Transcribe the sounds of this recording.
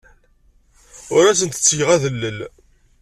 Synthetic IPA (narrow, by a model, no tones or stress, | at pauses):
ʊɾæsənt̪ə̥t͡sːjəʁæðəlːəl